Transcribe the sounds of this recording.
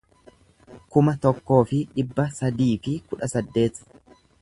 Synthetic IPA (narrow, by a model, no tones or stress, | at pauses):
kʊmɐt̪ɔkːo̞ːfɪᶑɪbːɐsɐd̪iːfɪkʊᶑɐsɐd̪ːe̞ːt̪